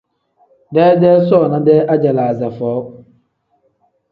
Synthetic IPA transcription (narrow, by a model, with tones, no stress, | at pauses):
dɛː˦dɛ˦sɔ˦˨nã˦dɛ˦ʔa˦d͡ʑɛ˨la˨a˨za˨fɔ˨ʊ˦